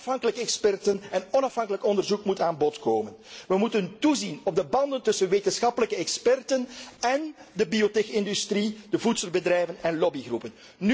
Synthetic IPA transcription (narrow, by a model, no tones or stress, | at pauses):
fɦɑŋkələkəɛkspɛrtənɛnɔnɑfɦɑŋkələkɔndərzukmutaːnbɔtkoːmənʋəmutəntuzinɔb̚dəbɑndəntɵsənʋeːtənsxɑpələkəɛkspɛrtənɛndəbiotexɪndystrid̥əvutsəlˠbədrɛjvənɛnlɔbiɣrupən | ny